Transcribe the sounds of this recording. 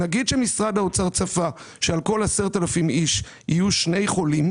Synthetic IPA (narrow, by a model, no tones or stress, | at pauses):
naɡid̪ʃemisʁad̪aot͡saʁt͡safa | ʃealko̞laseʁt̪alafimiʃ | ijuʃne̞jχo̞lim